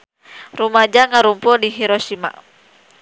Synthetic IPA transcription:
rumad͡ʒaŋaɾumpudiɦiɾoʃima̰

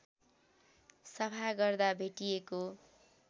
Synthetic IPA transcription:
sʌpʰaɡʌrd̪abʱeʈijeko

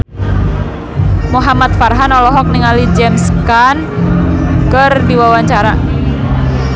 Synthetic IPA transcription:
muɦamat̪̚farɦanɔlɔɦɔk̚niŋalid͡ʒɛmskan | kərdiwawaɲt͡ʃaɾa

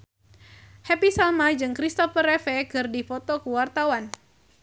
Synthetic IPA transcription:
hɛpisalmad͡ʒɨŋkɾist̪ɔfərefekɨrdifɔt̪ɔkuwart̪awan

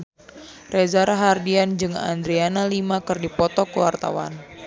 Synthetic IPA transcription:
rezaɾaɦardiand͡ʒɨŋa̰nd̪ɾianalimakɨrdipɔt̪ɔkəwa̰rt̪a̰wa̰n

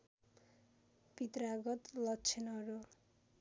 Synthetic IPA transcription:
pit̪raɡʌt̪lʌkːt͡sʰenʌɾu

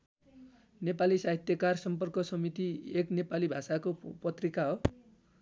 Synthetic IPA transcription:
nepalisaɦit̪jʌkarsʌmpʌrkʌsʌmit̪ieknepalibʱasakopʌt̪rikaɦo

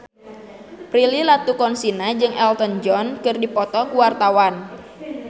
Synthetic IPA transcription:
pɾililat̪ukɔnsinad͡ʒɨŋʔɛlt̪ɔnd͡ʒɔnkɨrdipɔt̪ɔkuwart̪awan

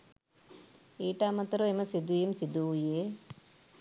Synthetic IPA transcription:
iːʈaːmɐt̪ɐɾoemɐsid̪ujemsid̪uje

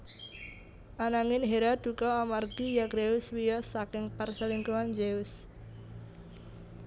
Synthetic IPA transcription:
ʔanaŋɪnɦeɾad̪̥ukɔamarɡ̥ijaɡɾeʊswijɔsakɪŋparsəliŋkuand͡ʒeʊs

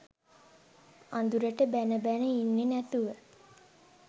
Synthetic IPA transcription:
and̪uɾəʈəbænəbænəinːenæt̪uʋə

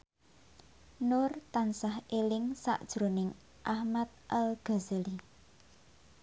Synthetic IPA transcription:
nʊrt̪ansahelɪŋsa̰ʔd̥ʒ̥ɾonɪŋ | ʔahmat̪̚ʔalɡ̥a̤zali

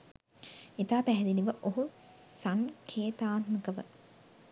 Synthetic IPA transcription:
et̪aːpæɦɛd̪iliʋəʔoɦu | saŋkʰeːt̪aːt̪məkəʋə̰

